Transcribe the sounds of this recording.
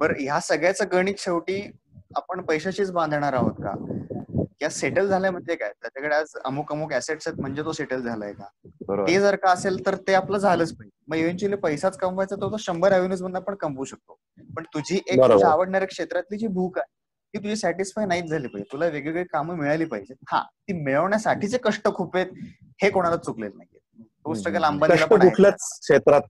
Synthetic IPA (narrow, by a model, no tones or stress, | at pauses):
bəɾjasəɡɭjat͡səɡəɽ̃iːkʂeʋʈiː | apəɳpəjɕat͡ɕiːt͡sbãnd̪ʱɳ̃aɾaɦo̰t̪̚ka̰ | kjaseʈəld͡zʱaljam̤əd̪ʱjeka̰jt̪jat͡ɕakeɭead͡zə̰muːkəmukæseʈsat̪̚m̤əɳd͡zet̪oseʈəld͡zʱalə̰jeka̰bəɾ̰ed͡zəɾkaəselt̪əɾt̪eapləd͡zʱaləːt͡spaiməɡeʋeɳt͡ɕuəliːpəjsat͡skəmfajt͡sat̪əɾt̪oɕəmbəɾæʋinuːsm̤ənːapəɳkəmʋuːɕək̚t̪o | pəɳt̪ud͡ʑʱiːʔebəɾoaaʋəɽɳjaɾəkʂet̪ɾat̪liːt͡ɕiːbʱuːkaɦe | kiːt̪ud͡ʑʱiːsæʈisfajnaɦit̪d͡zʱaliːpajd͡ʑet̪ulaʋeɡɭeɡɭiːkamuːmiɭaliːpa̰ɦid͡ʑeha̰t̪iːmeɭəʋɳjasaʈʰiːt͡sekəʂʈəkʰuːpet̪̚ | hekoɽ̃alat͡suklelna̰ɦie | t̪osʈəɡəlambanəʂlaʈənaukʰlət͡skʂet̪ɾat̪̚